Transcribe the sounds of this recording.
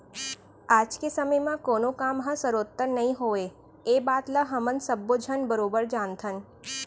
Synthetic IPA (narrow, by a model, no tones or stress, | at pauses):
aːd͡ʒkesəməjmãkoːnõkaːmɦə̃səɾoːt̪ːəɾnɐɦĩɦoːe | eːbaːt̪ləɦɐmə̃nsəbːod͡ʒʱənbəɾoːbəɾd͡ʒaːnt̪ʰən